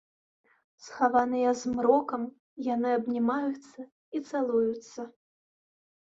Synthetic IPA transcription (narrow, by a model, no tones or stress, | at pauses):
sxavanɨjɐzmɾɔkɐm | janɨɐbnʲimajut̪sːɐ | it̪salˠujut̪sːɐ